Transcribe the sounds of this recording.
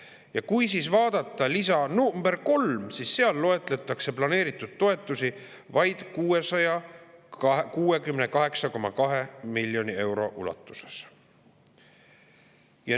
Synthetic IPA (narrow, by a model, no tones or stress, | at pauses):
jɑkujsiːsvɑːd̪̥ɑt̪ːˑɑlisɑnumb̥e̞rko̞lmsiːsːeɑlːo̞e̞t̪ˑle̞t̪ːˑɑkse̞plɑne̞ːɾit̪ːˑud̪̥̚t̪o̞e̞t̪ˑːusi | vɑjd̪̥kuːe̞sɑjɑ | kuːe̞kymnekɑɦe̞ksɑko̞mɑkɑɦemilːjo̞nie̞wɾo̞̰ʔṵlɑ̰t̪ːˑu̥se̥s | jɑ